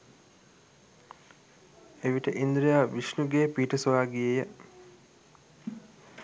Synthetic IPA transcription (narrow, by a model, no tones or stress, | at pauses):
eʋiʈəʔind̪ɾijaːʋiʃnuɡeːpiːʈəsoʋaːɡijejə